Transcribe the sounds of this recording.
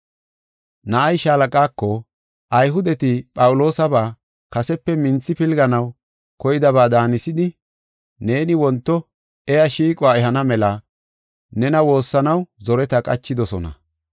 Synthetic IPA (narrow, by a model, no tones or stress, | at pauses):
nɐʔɐjʃaːlɐkʼaːkːɔ | ʔɐjɦʊd̪ɛt̪ɪpʼɐwʊlo̞ːsɐbaː | kɐsɛpːɛmɪnt͡sːɪpɪlɡɐnɐw | kɔjɪd̪ɐβaːd̪aːnɪsɪd̪ɪ | ne̞ːnɪwɔnt̪ːɔ | ɛjɐʃiːkʼɔaːɛɦɐnɐmɛlɐ | nɛnɐwo̞ːsːɐnɐwzɔɾɛt̪ɐkʼɐ̰t͡ʃːɪd̪ɔsɔnɐ̰